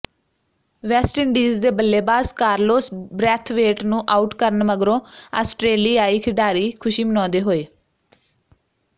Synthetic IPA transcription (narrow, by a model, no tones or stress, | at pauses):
ʋɛːsʈɪɳɖiːzd̪eːbəlːeːbaːskaːɾloːsbɾɛːt̪ʰʋeːʈnũːʔaːʊʈkəɾənməɡɾõːa̰ːsʈɾeːliːaːiːkʰɪɖaːɾiːkʰʊʃiːmənɔ̃ːd̪eːɦoːeː